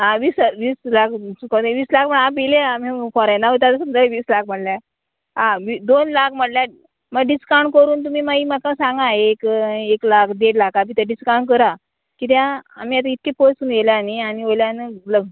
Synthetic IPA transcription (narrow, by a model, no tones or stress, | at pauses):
ɦãʋiːsʋiːslakʰsukat̪eʋiːslakməɳapileamẽfɔɾajnaɦot̪at̪əsəmd͡zaʋiːslak̚ʰm̤əɽlja | ɦãʋid̪onlak̚ʰm̤əɽljã | məɡɖiskawɳɖkəɾuːnt̪um̤iːmaiːmakãsãŋɡaekeklakd̪eɽlakabʱit̪ʰəɖiskawɳɖk̬əɾa | kit̪̬jãam̤iːat̪̬ait̪̚kepəsuːnɡeljanianiojljãnələ